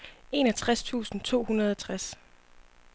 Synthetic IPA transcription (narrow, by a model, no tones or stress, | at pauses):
e̝næt͡sʰʁast͡sʰṵːsn̩t͡sʰo̝̰ːhunɐð̞ˠɒt͡sʰʁas